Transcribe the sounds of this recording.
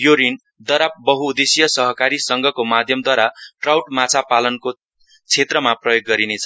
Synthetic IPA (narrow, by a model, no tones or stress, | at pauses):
joɾin | d̪ʌɾap̚bʌɦuːd̪esijʌsʌɦʌkaɾisʌŋɡʱʌkomad̪ʱjʌmd̪waɾaʈrawʈmat͡sʰapalʌnko | t͡sʰet̪rʌmaprʌjoɡːʌɾinet͡sʰʌ